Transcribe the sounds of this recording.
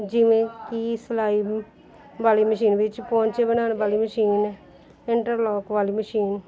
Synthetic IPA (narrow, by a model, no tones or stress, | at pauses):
d͡ʒɪʋẽːkiːsəlaːiː | baːliːməʃiːnʋɪt͡ʃpɔ̃ːɲt͡ʃebənaːnbaːliːməʃiːn | ɪɳʈəɾlɔːkʋaːliːməʃiːn